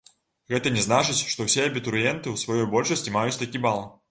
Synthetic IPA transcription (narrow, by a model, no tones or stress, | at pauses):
ɣɛt̪ɐnʲɛznat͡ʂɨt͡sʲʂt̪ɔwsʲɛɐbʲit̪uɾjɛnt̪ɨwsvajɔjbɔlʲʂɐsʲt͡sʲimajut͡sʲt̪akʲibalˠ